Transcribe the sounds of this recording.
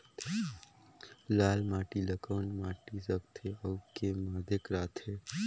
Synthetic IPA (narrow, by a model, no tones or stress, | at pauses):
laːlmaːʈiləkəːnmaʈisək̚t̪ʰeəwkemaːd̪ʱekɾaːt̪ʰe